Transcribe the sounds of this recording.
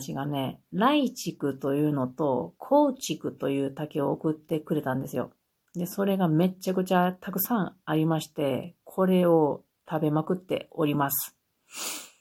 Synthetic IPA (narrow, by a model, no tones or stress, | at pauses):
ɕiɡane̞ɾait͡ɕikɯ̟t̪o̞jɯ̟ːno̞t̪o̞kʰo̞ːt͡ɕikɯ̟t̪o̞jɯ̟ːt̪ake̞oːkɯ̟t̪ːe̞kɯ̟ɾe̞t̪ãnd̪e̞sɨjo̞̰ | d̪e̞so̞ɾe̞ɡame̞t͡ɕːakɯ̟t͡ɕat̪ʰakɯ̟sãɰ̃aɾʲimaɕi̥t̪e̞kʰo̞ɾe̞o̞ | t̪ʰabe̞makɯ̟t̪ːe̞̰o̞ɾʲimasɨ̥